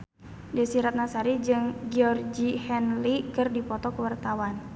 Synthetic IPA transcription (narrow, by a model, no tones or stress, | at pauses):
dɛsiɾat̪̚nasaɾid͡ʒɨŋɡiɔrd͡ʒihɛnlikɨrdipɔt̪ɔkəwart̪awan